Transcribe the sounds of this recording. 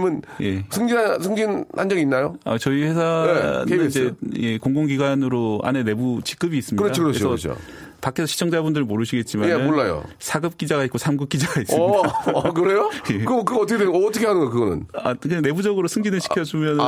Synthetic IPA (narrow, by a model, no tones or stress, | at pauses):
mɯnje̞sʰɯŋɡiasʰɯŋɡinhand͡ʑʌɡiinːajoa̰t͡ɕʌiɸe̞sʰanneɯd͡ʑeje̞koŋɡoŋɡiɡwanɯɾoa̰ne̞ne̞but͡ɕi̥k͈ɯbiːs͈ɯmɲɯɾʌdaokɯɾɾeosʰʌt͡ɕʰo̰ | pakʰesʰʌɕʰi̥t͡ɕʰʌŋd͡ʑabundɯɾɯɭmoɾɯɕʰiɡe̞t̚t͡ɕ͈imaenmoɭːajo̰sʰaɡɯp̚k͈id͡ʑaɡait̚k͈osʰamɡɯp̚k͈id͡ʑaɡais͈ɯidakɯɾe̞jojekɯkɯɡʌʌt͈ʰʌkʰedweːt͈ʰʌkʰehanɯnɡʌjokɯɡʌnɯ̰na̰kɯne̞bud͡ʑʌɡɯɾosʰɯŋɡinɯɭɕʰi̥kʰjʌd͡ʑumjʌn